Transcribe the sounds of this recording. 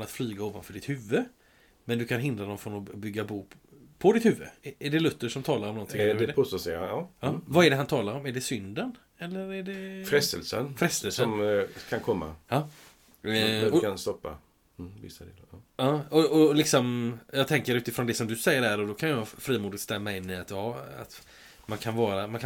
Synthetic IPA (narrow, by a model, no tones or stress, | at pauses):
nat̪flyːɡaoːvanfœɖɪt̪hʉ̟vːə | mɛnd̪ɵkʰanɦɪnd̪ɾad̪ɔmfɾɔnɔbʏɡːabuː | pʰɔd̪ɪt̪hʉ̟ːvːə̰æɖɛlɵt̪ːəʂɔmt̪ʰɑːlaɾɔmnɔnt̪ʰɪŋdɛpʰʊsɔsɛɑːɑːvaɛɖɛɦant̪ʰɑːlaɾɔmæɖɛsʏnd̪ən | ɛlːəɾæɖɛfɾɛst̪ə̰lsə̰nfɾɛst̪əlsəɔmkʰankʰɔmːa̰ɑ | ɔanst̪ɔpːa̰ | vɪ̰sːad̪ḛːlaɑːɔɔlɪksɔmjɑɡt̪ʰɛŋkəɾʉ̟ːt̪ɪfɾɔnd̪ɛsɔmd̪ɵsɛjːəɖhæːɖɔd̪ɔkʰanjɑfɾiːmuːd̪ɪɡt̪st̪ɛmːaɪnːɪat̪jɑa̰t̪ | mankʰanvɑːɾamankʰa